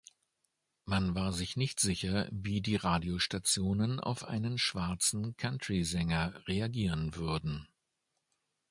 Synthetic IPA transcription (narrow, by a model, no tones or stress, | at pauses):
manvaːɐzɪçnɪçtz̥ɪçɐviːdiːʁaːdioʃtat͡sjoːnəna̰ʊfʔa̰ɪnənʃv̥aɐt͡sn̩kʰantʁ̥izɛŋɐʁeaɡiːʁənvʏɐdn̩